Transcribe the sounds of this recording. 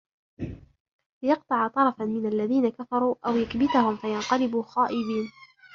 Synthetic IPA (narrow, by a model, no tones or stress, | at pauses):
lɪjɑq̚t̪ˤɑʕt̪ˤɑɾˤɑfanmɪnalːaðiːnakafɑɾˤuːʔawjakbɪt̪ahʊmfajɑnqɑlɪbuːxaːʔɪbiːn